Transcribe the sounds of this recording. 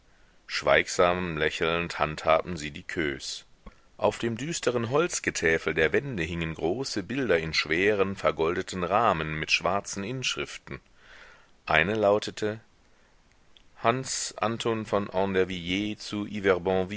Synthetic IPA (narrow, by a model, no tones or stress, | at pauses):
ʃv̥a̰ɪkz̥aːmlɛçl̩nthanthaːbm̩ziːdiːkʰøːs | ʔaʊfd̥eːmdyːstʰəʁənɦɔlt͡sɡ̥ətʰɛːfl̩deːɐvɛndəɦɪŋənɡʁoːsəbɪldɐɪnʃv̥eːʁ̞ənfɛɐɡɔldətʰn̩ʁaːmənmɪtʃv̥aɐt͡sn̩ʔɪnʃʁ̥ɪftn̩ | ʔaɪnəlaʊtʰətʰə | hansʔa̰ntʰonfɔnʔɑdɛɐvijeːt͡suʔivɛɐbɑ̃v